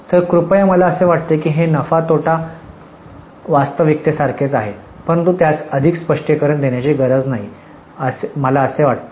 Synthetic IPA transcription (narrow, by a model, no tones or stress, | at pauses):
t̪əɾkɾupəjaməlaəseʋaʈ̚t̪ekiːɦenəfat̪oʈa | ʋast̪əʋik̚t̪esaɾkʰet͡saɦe | pənt̪ut̪jat͡səd̪ʱikspəʂʈikəɾəɳd̪eɳjat͡ɕiːɡəɾəd͡znaɦi | əsməlaəseʋaʈt̪e